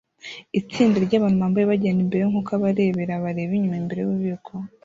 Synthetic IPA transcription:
it͡siːndeɾɟaːβanumaːmbajeβaɟenimbe̞ɾeŋukaβaɾe̞βe̞ɾaβaɾe̞βiɲumaimbe̞ɾe̞juβuβikʰo

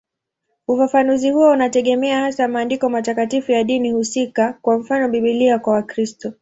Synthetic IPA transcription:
ufafanuzihuwɔunatɛɠɛmɛahasamaːndikɔmatakatifujaɗinihusikakwam̩fanɔɓiɓiliakwawakɾistɔ

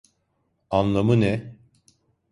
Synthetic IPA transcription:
anlˠamɯnɛ

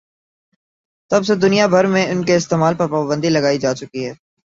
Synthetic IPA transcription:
t̪ɐbsed̪ʊnijabʱɐɾmẽʊnkeɪst̪eːmaːlpɐɾpaːbə̃nd̪ilɐɡaːid͡ʒaːt͡ʃʊkiɦɛː

